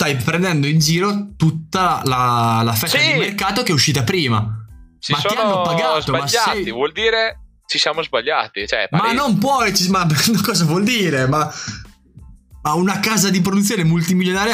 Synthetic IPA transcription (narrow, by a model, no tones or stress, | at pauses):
t̪ajpɾend̪ɛnd̪oind͡ʒiːɾot̪ut̪ːalalafɛsad̪ilmerkaːt̪okeɛuʃːiːt̪apɾiːma̰t͡ʃmat̪ːianːopaɡazomasat̪ivwɔld̪iːɾe | t͡ʃisjaːmozbaʎːa̰ːt̪it͡ʃɛ̰mannːompwɔjt͡ʃimankɔːzavwɔld̪iːɾema | maunakaːzad̪ip̬ɾod̪ut̪sːjoːnemult̪imiljonaːɾj